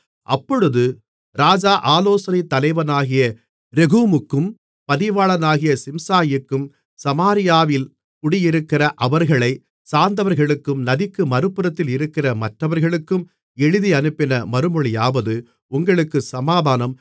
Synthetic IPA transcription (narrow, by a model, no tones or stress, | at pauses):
ʔɐpːɔɻɯðɯ | ɾaːd͡ʒaːʔaːloːsɐnɪt̪ːɐlɐɪʋɐnaːɣɪjɐ | ɾɛɣuːmɯkːɯm | pɐðɪʋaːɭɐnaːɣɪjɐsɪmsaːjɯkːɯm | sɐmaːɾɪjaːʋɪl | kʊɽɪjɪɾɯkːɪrɐʔɐʋɐɾɣɐɭɐɪ | saːnd̪ɐʋɐɾɣɐɭɯkːɯmnɐðɪkːɯmɐɾɯpːɯɾɐt̪ːɪlɪɾɯkːɪrɐmɐʈrɐʋɐɾɣɐɭɯkːɯm | ɛɻɯðiɐnɯpːɪnɐmɐɾɯmɔɭɪjaːʋɐðɯ | ʊŋɡɐɭɯkːɯsɐmaːðaːnɐm